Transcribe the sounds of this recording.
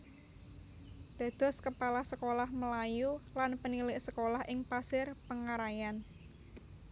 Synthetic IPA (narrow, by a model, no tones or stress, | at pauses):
d̪̥a̤d̪̥ɔ̤skəpalahsəkolahməlajulanpənilɪʔsəkolahʔɪŋpasɪrpəŋaɾajan